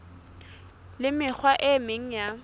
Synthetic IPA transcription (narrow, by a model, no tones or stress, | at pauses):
lɪmɪk͡xʰwaʔɪmeŋ̩ja